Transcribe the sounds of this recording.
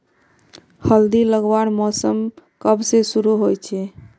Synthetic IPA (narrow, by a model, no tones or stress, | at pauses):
həld̪iləɡʋanmɔsəmkəbsesuɾuɦojt͡ʃʰɛ